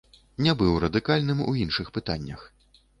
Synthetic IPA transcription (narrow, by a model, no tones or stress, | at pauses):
nʲɛbɨwɾɐd̪ɨkalʲnɨmṵinʂɨxpɨt̪a̰nʲːɐ̰x